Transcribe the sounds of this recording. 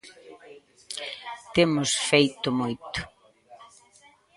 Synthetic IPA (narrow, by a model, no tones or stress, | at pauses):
t̪emʊsfejt̪ʊmojt̪ʊ̥